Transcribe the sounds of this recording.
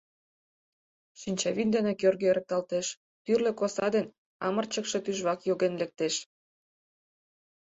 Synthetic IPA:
ʃinʲt͡ɕɑβind̪enekørɣøeɾə̆k̚t̪ɑlt̪eʃ | t̪yrlĕkosɑd̪en | ɑ̰mə̆rt͡ɕə̆kʃĕt̪yʒβɑkjoɣenlek̚t̪eʃ

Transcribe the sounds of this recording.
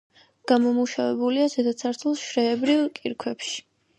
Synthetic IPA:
ɡ̥amɔmuʃavɛbuliazɛd̪at̪sʰaɾt̪ʰulˠʃɾɛːbɾivkʼiɾkʰwɛpʃi̥

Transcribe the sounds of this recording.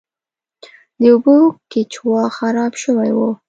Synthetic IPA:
d̪əubokɪt͡ʃwɑxaɾɑbʃəwajwo

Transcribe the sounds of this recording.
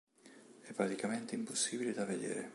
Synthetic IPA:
ɛpːɾat̪ikament̪eimposːiːbiled̪aved̪ɛ̰ːɾe

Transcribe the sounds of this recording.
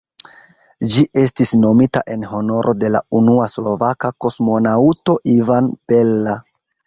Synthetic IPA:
d͡ʒiʔe̞stisno̞mita̰ʔe̞nho̞no̞ɾʔo̰de̞la̰unuaslo̞vakako̞smo̞nauto̞ʔivanpe̞lːa

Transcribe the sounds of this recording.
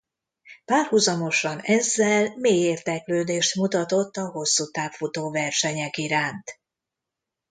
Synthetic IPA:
paːrhuzɒmo̞ʃɒnɛzːɛlmeːjeːrd̪ɛkløːd̪eːʃt̪mut̪ɒt̪o̞t̪ːɒɦo̞sːut̪aːpfut̪oːvɛrʃɛɲɛkiɾaːnt̪

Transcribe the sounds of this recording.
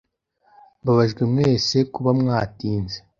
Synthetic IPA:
baβaʒɡemŋe̞ːse̞kuβamŋaːtiːnze

